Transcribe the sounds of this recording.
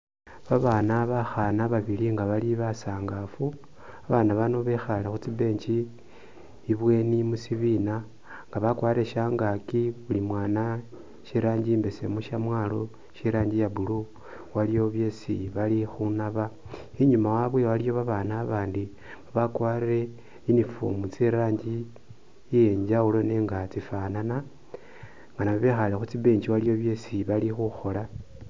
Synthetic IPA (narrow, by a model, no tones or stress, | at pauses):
βaβaːnaβaxanaβaβiliŋɡaβaliβasaːŋɡafu | aβanaβano̞βexalaxut͡sibe̞ːɲt͡ʃi | βwe̞nimusiβina | ŋɡaβakwaːɾeʃaːŋɡakiβulimwaːna | ʃiɾaːɲɟiːmbese̞̰muʃamwalo̞ | ʃiɾaːɲɟijaβulu | walijo̞βje̞sḭβalixunaβa | iɲumawaβwewalijo̞βaβanaːβaːndi | uβakwaːɾe̞ | inifo̰mut͡siɾaːɲd͡ʒi | je̞ɲd͡ʒaulo̞neːŋɡat͡sifanana | ŋɡanaβaβexalexut͡siβe̞ːɲd͡ʒiwalijo̞βje̞siβalixuxo̞la